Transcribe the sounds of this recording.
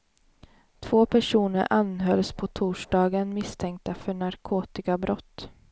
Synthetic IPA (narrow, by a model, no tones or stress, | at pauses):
t̪ʰv̥oːpʰæʂuːnəɾʔanɦœlspʰɔt̪ʰuːʂɖɑːɡənmɪst̪ʰɛŋk̚t̪afœɳaɾkʰoːt̪ɪkabɾɔt̪ː